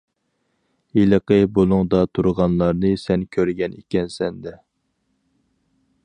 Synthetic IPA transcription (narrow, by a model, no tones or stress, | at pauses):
iləqəbolˠuŋd̪ɑt̪ʰuɾʁɑnlˠɑɾnɨsɛnkʲʰøɾɪɡʲɛnekʲɛnsɛnd̪ɛ